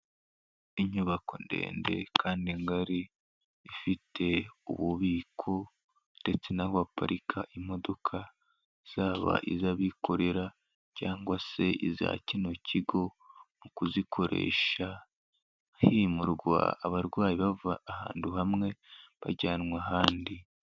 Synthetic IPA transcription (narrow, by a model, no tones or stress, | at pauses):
iɲuβako̞̰nde̞̰ːnde̞̰kʰaːndiŋɡaɾiː | fitʰe̞ṵβuβiːkʰo̞ | nde̞t͡se̞nahoapa̰ɾʔikʰaʔimo̞do̞kʰa | iz̥aːβa̰ʔizaβiko̞ɾe̞ɾa | caːŋɡwase̞ʔiza̰cino̞cʰiɡo̞ | mukuzikʰo̞ɾʔe̞̰ʃa | himuɾɡwa̰ːβaɾɡwaːjiβavaːha̰ːnduɦamŋe̞βa̰ɟaːnŋwaɦaːndi